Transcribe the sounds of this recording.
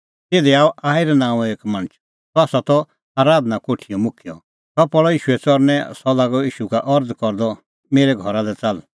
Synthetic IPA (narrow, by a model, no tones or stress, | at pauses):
t̪eːd̪ɛaːɔʔaːiɾɛnãːũeːkmɐ̃ñət͡ʃ | t̪ɔaːsat̪ɔ | aːɾaːd̪nakoːʈʰijɔmʊkʰjɔ | t̪ɔpɔɭɔiːʃuɛt͡sɔɾnɛsɔlaːɡɔiːʃukaʔɔɾd͡zkɔɾd̪ɔ | meːɾɛɡʱɔɾalɛt͡sal